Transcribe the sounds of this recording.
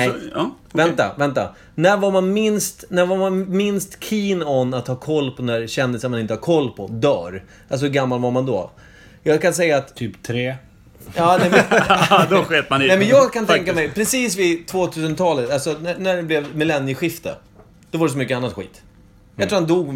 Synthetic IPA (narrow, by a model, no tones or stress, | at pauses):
ɛ | vɛnt̪a̰vɛnt̪a̰ | næɾvaɾmanmɪnst̪næɾvaɾmanmɪnst̪kʰiːnɔnːat̪hɑːkʰɔlːpʰɔd̪ɛnæɾɕɛnd̪ɪsənmanɪnt̪əhaɾkʰɔlːpʰɔd̪œ̰ːɾ | als̬ɔɡamːalvaɾmand̪ɔ̰ | jɑːɡkansɛjːaːt̪t̪ʰyːpt̪ʰɾeː | ɑːnɛmɛd̪ɔɧeːt̪manɛmɛnjɑːɡkʰant̪ɛŋkamɛjpʰɾɛsiːsvɪt̪ʰvoːt̪ʰʉ̟ːs̬ənt̪ʰɑːlət̪alsɔnænæɖɛblɛvmɪlɛnːjəɧɪft̪ə̰ | d̪̥ɔvaɖɛsɔmʏkːəanːat̪ɧḭːt̪ | jat̪ɾuːhand̪uːɡ